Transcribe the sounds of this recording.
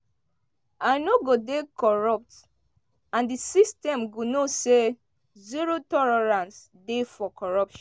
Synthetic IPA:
anoɡodekɔɹɔp̚t | ãndisistɛ̃mɡunose | ziɹotɔlɔɹãns | defɔkɔɹɔpʃɔ̃

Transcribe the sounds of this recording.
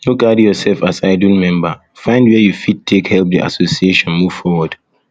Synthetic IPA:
joɡadjɔsɛlfasaɪduimɛ̃mba | fãɪ̃ndwɛjufid̚tʰekhɛlp̚dḭʔa̰sosieʃɔ̃nmuv̥fɔwɔd̥

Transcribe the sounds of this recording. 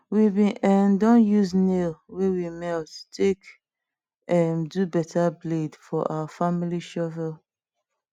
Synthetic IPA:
wibĩʔɛndɔ̃njuznelwewimɛltu̥tʰek | ɛmdubɛtʰabledfɔʔa̰wafamiliʃɔvɛl

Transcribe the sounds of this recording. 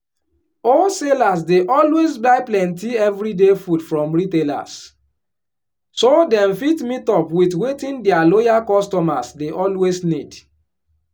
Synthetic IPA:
ɔlselas̬deʔɔlwesbaɪplɛ̃ntiɛvɾidefudfɹɔ̃mɹitela̰s | sodɛ̃mfitmitɔpwitwetĩndɛalojakɔstɔmasdeʔɔlwesnid

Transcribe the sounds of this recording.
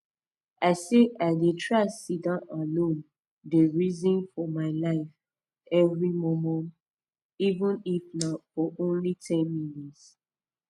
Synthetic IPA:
aɪseaɪdetʰɹaɪsidãalõn | deɹizĩnfɔmaɪlaɪf | ɛvɹimɔmɛ̃nt | ivə̃nifnafɔʔõnlitʰɛ̃nmĩnits

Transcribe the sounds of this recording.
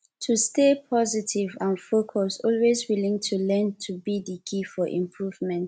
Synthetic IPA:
tʰustepʰɔzitʰivãnfokʰɔsɔlwezwilĩŋtʰulɛ̃ntʰubidikʰifɔʔḭ̃mpʰɹuvmɛ̃nt

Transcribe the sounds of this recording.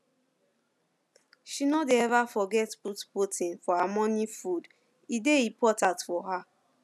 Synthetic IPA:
ʃinodeɛvafɔɡɛtputputʰĩnfɔamɔ̃nifud | ideipʰɔtãtfɔɦa

